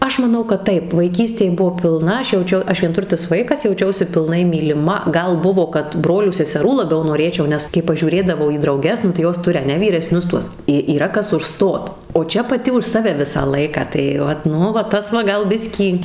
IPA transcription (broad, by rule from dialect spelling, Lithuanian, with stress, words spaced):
ˈɐʃ mɐˈnɐʊ kɐt ˈtɐɪp ʋɐɪˈkʲiːsʲtʲeːj ˈbʊʋoː pʲɪlˠˈnɐ ˈɐʃ jɛʊˈt͡ʃʲɛʊ ˈɐʃ ʋʲiɛnˈtʊrʲtʲɪs ˈʋɐɪkɐs jɛʊˈt͡ʃʲɛʊsʲɪ pʲɪlˠˈnɐɪ mʲiːlʲɪˈmɐ ˈɡɐlˠ ˈbʊʋoː kɐt ˈbroːlʲuː sʲɛsʲɛˈruː lˠɐˈbʲɛʊ noːˈrʲeːt͡ʃʲɛʊ ˈnʲɛs kɐɪ pɐʒʲuːˈrʲeːdɐʋɐʊ iː drɐʊˈɡʲɛs nʊ tɐɪ ˈjoːs ˈtʊrʲɪ ɐˈnʲɛ ʋʲiːrʲɛˈsʲnʲʊs ˈtuɔs ɪ iːˈrɐ ˈkɐs ʊʃˈstoːt oː ˈt͡ʃʲɛ pɐˈtʲɪ ʊʃ ˈsɑːʋʲɛ ˈʋʲɪsɑː ˈlˠɐɪkɑː tɐɪ ˈʋɐt ˈnʊ ʋɐ ˈtɐs ʋɐ ˈɡɐlˠ ˈbʲɪsʲkʲiː